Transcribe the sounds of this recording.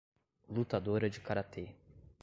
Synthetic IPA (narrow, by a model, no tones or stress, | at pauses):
lut̪ad̪oɾɐd͡ʒɪkaɾat̪e